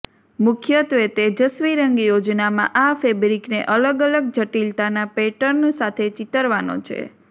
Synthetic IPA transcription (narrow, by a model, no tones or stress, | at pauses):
mʊkʰjət̪ʋet̪ed͡ʒəsʋiɾəŋɡjod͡ʒnamãʔafebɾiknḛʔələɡələɡ̚d͡ʒʱəʈilt̪anapeʈəɾnsat̪ʰet͡ʃit̪əɾʋano̰t͡ʃʰḛ